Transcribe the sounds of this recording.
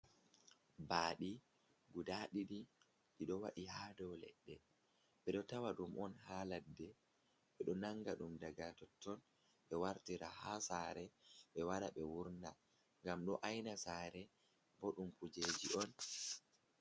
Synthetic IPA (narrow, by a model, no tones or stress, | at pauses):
baːɗi | ɡudaɗiɗi | ɗiɗɔwa̰ɗihaːdɔwlɛ̰ɗːɛ | ɓɛɗɔtawaɗumʔɔnhaːladːɛ | ɓɛɗɔnaŋɡaɗumdaɡatɔtːɔn | ɓɛwaɾtiɾahasaːɾɛɓɛwaɗaɓɛwuɾna | ŋɡamɗɔʔajnasaːɾɛ | bɔɗumkud͡ʒed͡ʒiʔɔn